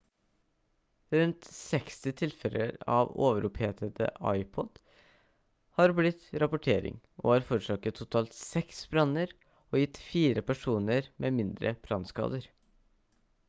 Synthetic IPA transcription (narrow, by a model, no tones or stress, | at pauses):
ɾʉnt̪sɛkst̪ɪt̪ʰɪlfɛlʔə̰ɾɑ̰ʋo̰ːʋəɾʊpheːt̪ət̪ə̰ʔɑ̰ɪpʰɔd̪̥ | hɑɾblɪt̪ɾɑpʊʈʰeːɾɪ̰ŋ | ʔo̰ːɑːɾfɔɾʂɑːkət̪ʰːʊt̪ʰɑːlt̪sɛksbɾɑnəɾ | oːjɪt̪fiːɾəpʰæʂuːnəɾmʔeːmɪnd̪ɾʔə̰b̥ɾɑnskɑ̰ːd̪əɾ